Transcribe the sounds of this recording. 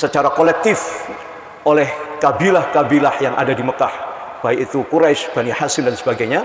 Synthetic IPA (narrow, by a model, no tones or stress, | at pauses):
sət͡ʃaɾakolɛk̚t̪ɪf | ʔolɛhkabilahkabilahjaŋʔa̰dadiməkah | b̥aɪkit̪ukuɾaʃb̥anihasɪndansəbaɡajɲa